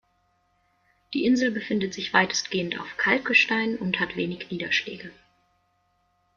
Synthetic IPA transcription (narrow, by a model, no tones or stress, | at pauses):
d̥iːʔɪnzl̩bəfɪndətz̥ɪçv̥aɪtʰə̥stɡ̥eːənta̰ʊfkʰalkəʃtaɪnʊnthatv̥eːnɪçniːdɐʃlɛ̰ːɡə